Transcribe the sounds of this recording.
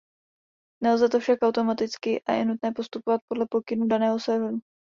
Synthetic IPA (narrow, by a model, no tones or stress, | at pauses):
nɛlzɛt̪ofʃakʔawt̪o̞mat̪ɪt͡skɪʔa̰jɛ̰nut̪nɛːpo̞st̪upovat̪̚po̞dlɛpo̞kɪnudanɛːɦo̞sɛvnu